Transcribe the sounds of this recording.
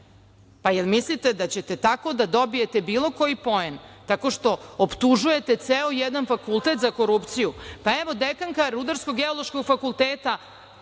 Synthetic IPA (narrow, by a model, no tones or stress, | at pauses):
pajelmislit̪ed̪at͡ɕet̪e̞t̪ako̞d̪ad̪o̞bije̞t̪e̞biːlˠo̞ko̞jipo̞ent̪ako̞ʃt̪o̞opt̪uʒuje̞t̪e̞t̪seojɛd̪anfakulˠt̪e̞t̪zako̞ɾupt̪sijupaeʋo̞d̪ekaŋkaɾud̪aɾsko̞ɡeolˠoʃko̞ɡfakulˠt̪eːt̪a